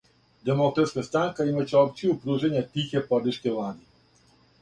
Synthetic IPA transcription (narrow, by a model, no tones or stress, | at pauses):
d̪ɛmɔt̪ɛskɛst̪aŋkaimɛt͡ʃɔp̚t͡ʃ̪ʲijupɾuʒenʲjat̪ʲixʲɛpɔd̪iʃkɛlˠad̪ʲi